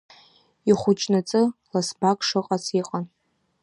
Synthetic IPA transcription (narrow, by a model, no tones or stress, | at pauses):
iχʷʊt͡ʃʼnat͡sʼɨlasbakʰʼʂɨqʼat͡sʰiqʼan